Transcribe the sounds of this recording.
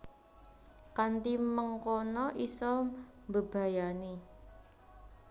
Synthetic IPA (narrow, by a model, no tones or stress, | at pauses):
kant̪iməŋkɔnɔʔisɔ | mbəb̥a̤jani